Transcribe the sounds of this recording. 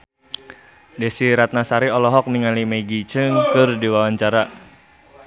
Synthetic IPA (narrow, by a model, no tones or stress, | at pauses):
desiɾat̪̚nasaɾiɔlɔɦɔk̚niŋalimeɡit͡ʃəŋkɨrdiwawaɲt͡ʃaɾa